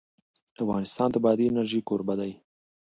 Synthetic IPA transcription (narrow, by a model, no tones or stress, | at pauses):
afɣɑnɪst̪ɑnd̪əbɑd̪iɪnaɾʒikoɾbad̪aj